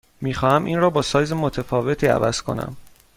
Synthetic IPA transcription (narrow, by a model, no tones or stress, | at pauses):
miːxɒːhæmʔḭːnrɒːbɒːsɒːjzemot̪ʰefɒːve̞t̪ʰiːæ̰væ̰z̥kʰo̞̰næ̰m